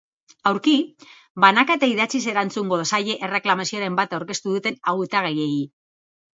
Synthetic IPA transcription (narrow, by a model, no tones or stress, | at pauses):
awɾki | banakaet̪aiðat͡sis̬e̞ɾant͡suŋɡo̞ðosaʎe̞ʔere̞klamasio̞ɾe̞mbat̪awɾke̞st̪uðut̪e̞naɣut̪aɣ̞eje̞i